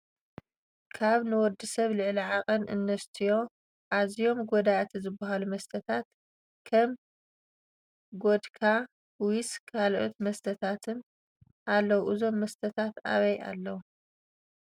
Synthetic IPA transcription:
kʰaβnɨwɔd̪ɨsɐβlɨʕliʕakʼɐnʔɨ̰nːɐst̪ʰijo̞ | ʔazijo̞mɡod̪at̪ʰizɨbːɐɦalumɐst̪ʰɐt̪ʰat̪ | kʰɐm | ɡod̪kʰa | wiskʰalʔo̰t̪mɐst̪ʰɐt̪ʰat̪ʰɨn | ʔalːɐwuʔɨzo̞mːɐst̪ʰɐt̪ʰat̪a̰βɐja̰lːɐwu

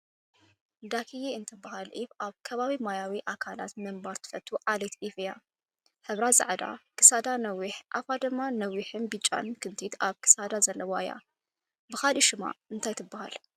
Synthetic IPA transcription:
d̪akʰijeɨnt̪ʰɨbːahalʔiβʔaβkʰɐβaβimajawiʔakʰala̰t̪mɨmbaɾt̪ʰɨ̥fɐt̪ʰʼːuʔalet̪ʔifɨja | ħɨβɾazʼa̰ʕd̪a̰kʰɨsad̪anɐwiħʔa̰fad̪ɨmːanɐwiħɨnbit͡ʃʼːa̰nkʰɨnt̪ʰit̪aβkʰɨ̥sad̪azɐlːɐwaja̰ | bɨxaliʃɪma̰ɨnt̪ʰajt̪ʰɨbːaha̰l

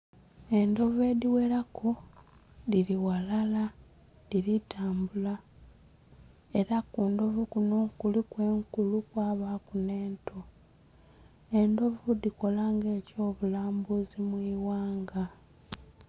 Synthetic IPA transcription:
e̞ndo̞ve̞diwe̞ɾakʰo | diɾiwalala | diɾitaːmbula | e̞ɾakuːndo̞vukunukulikwe̞ːŋkulukwaːβaːkune̞ːntʰo̞ | e̞ndo̞vudiko̞laŋɡe̞ːco̞ːβulaːmbuzimwiːwaːŋɡa

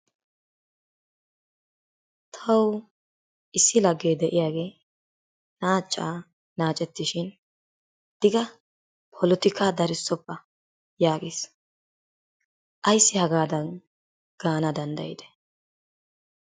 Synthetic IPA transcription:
t̪ʰɐw | ʔɪsːɪlɐɡːeːd̪ɛʔɪjaːɡe̞ː | naːt͡ʃʼːaː | naːt͡ʃʼɛt̪ːɪʃɪn | d̪̥ɪɡɐ | pʰɔlɔt̪ɪkʰaːd̪ɐɾɪsːɔpːɐ | jaːɡeːs | ʔɐjsːɪhɐɡaːd̪ɐn | ɡ̥aːnɐd̪ɐnd̪ɐ̰jɪ̰d̪ɛ̥

